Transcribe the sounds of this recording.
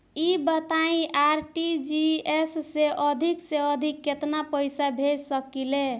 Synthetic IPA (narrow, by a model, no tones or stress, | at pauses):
ibət̪aĩʔaɾʈid͡ʒiesːeʔəd̪ʱikseəd̪ʱikːet̪napəjsabʱeɾsəkile